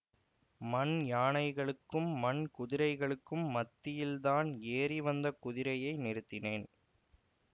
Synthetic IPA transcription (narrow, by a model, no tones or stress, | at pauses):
mɐnjaːɳɐɪɣɐɭɯkːɯmːɐnkʊðɪɾɐɪɣɐɭɯkːɯmːɐt̪ːɪjɪlðaːneːriʋɐnd̪ɐkʊðɪɾɐjɐɪnɪɾɯt̪ːɪneːn